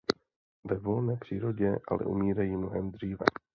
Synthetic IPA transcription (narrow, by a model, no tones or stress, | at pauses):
vɛvo̞lnɛːpr̝̥iːɾo̞ɟɛʔa̰lɛ̰ʔṵmiːɾajiːmnoɦɛmd̪r̝iːvɛ̰